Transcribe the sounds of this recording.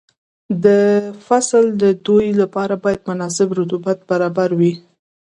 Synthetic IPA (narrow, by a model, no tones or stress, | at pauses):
d̪əfasld̪əd̪ojlapɑɾabɑjad̪mʊnɑsɪbɾʊt̪ubat̪̚baɾɑbaɾwi